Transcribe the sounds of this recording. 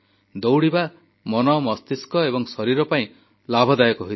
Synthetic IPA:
d̪owɽiba | mɔnɔmɔst̪iskɔebɔŋsɔɾiɾɔpaĩ | labʱɔd̪ajɔkɔɦui

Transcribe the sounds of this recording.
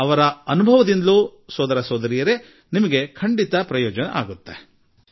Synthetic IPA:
ɐʋɐɾɐɐnubʱɐʋɐd̪ind̪lusɔːd̪ɐɾɐsɔːd̪ɐɾijɐɾe̞ | nimɐɡe̞kʰɐɳɖit̪ɐpɾɐjɔːd͡ʒɐnɐ̰ʔaːɡut̪ːe̞

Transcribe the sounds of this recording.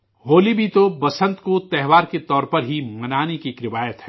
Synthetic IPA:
ɦoːlibʱit̪obɐsə̃nt̪kot̪ɛɦʋaːɾket̪ɔːɾpɐɾɦimɐnaːnekikɾɪʋaːjət̪ɦɛ

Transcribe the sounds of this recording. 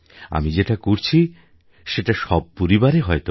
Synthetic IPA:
a̰mid͡ʑeʈakoɾt͡ɕʰi | ʃeʈaʃɔb̚poɾibaɾeɦɔet̪o

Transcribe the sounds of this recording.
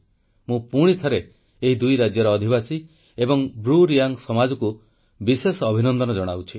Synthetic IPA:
mũpuɽ̃it̪ʰɔɾe | eɦid̪ujɾad͡ʒjɔɾɔːd̪ʱibasi | ebɔŋbɾuɾijaŋsɔmad͡ʒɔku | bisesɔːbʱinɔnd̪ɔnɔd͡ʒɔɽ̃awt͡ʃʰi

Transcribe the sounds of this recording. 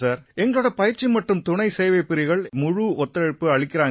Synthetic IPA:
saːɾɛŋɡɐɭoːɽɐpɐjɪɾt͡ʃimɐʈːɯmt̪ʊɳɐɪsɛjʋɐɪpːɪɾɪɣɐɭmʊɻuɔt̪ːɐɻɪpːɯɐɻɪkːɪɾaːŋ

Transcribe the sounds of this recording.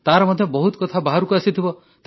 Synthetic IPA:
t̪aɾɔmɔd̪ʱjɔbɔɦut̪kɔt̪ʰabaɦaɾukuasit̪ʰibɔ | t̪e

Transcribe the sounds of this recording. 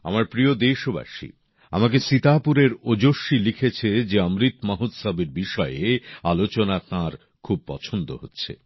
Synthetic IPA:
a̰maɾpɾiod̪eʃoba̰ʃḭ | a̰mak̬eʃit̪apuɾeɾod͡ʑoʃːilikʰet͡ɕʰed͡ʑeamɾit̪maɦut̪sabeɾbiʃɔeealot͡ɕonat̪ãɾ | kʰub̚pɔ̰t͡ɕʰond̪o̰ɦotːɕʰḛ

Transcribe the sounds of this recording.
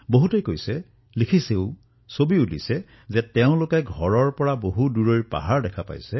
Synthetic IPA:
boɦutejkojsɛ | likʰiseʊ | sobiulisɛ | zɛtɛʊ̃lʊkɛɡʱɔɹɔɹpɔɹaboɦuduɹojpa̰ɦaɹdɛkʰapa̰jsɛ

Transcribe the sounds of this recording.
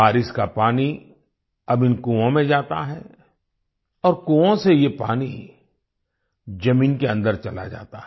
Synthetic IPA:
aːɾɪskapaːni | ɐbɪnkũːõmẽd͡ʒaːt̪a̰ɦɛː | ɔːɾkuːõsejepaːni | d͡ʒɐmiːnkeɐ̃nd̪əɾt͡ʃɐla̰d͡ʒa̰ːt̪aɦɛ

